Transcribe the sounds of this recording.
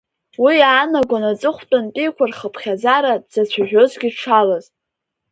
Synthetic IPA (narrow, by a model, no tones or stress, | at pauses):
wiaːnaɡʷanat͡sʼɨχʷtʼantʼijkʷʰarχəpʰχʲazaɾad͡z̥at͡ɕʷʰaʒʲᶣo̞zɡʲiʈ͡ʂʰalaz